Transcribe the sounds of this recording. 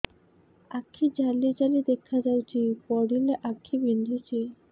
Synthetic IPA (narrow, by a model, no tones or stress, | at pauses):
akʰːid͡ʑalid͡ʑalid̪ekʰːad͡ʑawt͡ɕʰipɔɽileʔakʰːibind̪ʱit͡ɕʰi